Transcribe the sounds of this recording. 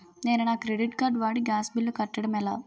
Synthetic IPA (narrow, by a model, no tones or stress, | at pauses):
neːnunaːkɾeɖiʈkaːɾɖʋaːɽiɡaːsbilːukɐʈːɐɽɐmɛlaː